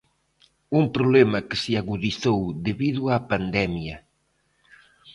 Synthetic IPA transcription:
umpɾuβlɛmɐkesɪaɣuðiθowðeβiðuapand̪ɛmjɐ

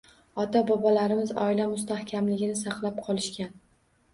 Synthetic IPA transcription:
ɒt̪abɒbɒlaɾɪmɪzɒ̰ɪlamʊst̪ahkʲʰamlɪɡʲɪnɪsɑqlˠap̚qʰɒlˠɪʃkʲan

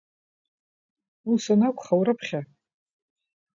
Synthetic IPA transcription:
usanakʷʰʼχawɾɨpʰχʲa

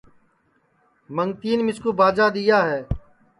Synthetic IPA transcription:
məŋɡt̪iːnmɪskuːbaːd͡ʒaːd̪ijaːɦɛː

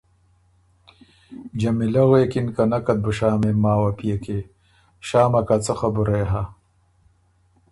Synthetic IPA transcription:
d͡ʑɐmilɐɣeːkinkɐnɐkɐt̪̚buɕaːmemaːwɐpijeke | ɕaːmɐkat͡sɐxɐbuɾeɦa

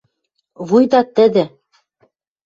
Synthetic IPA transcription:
βujd̪ɑt̪ɘ̆d̪ɘ̆

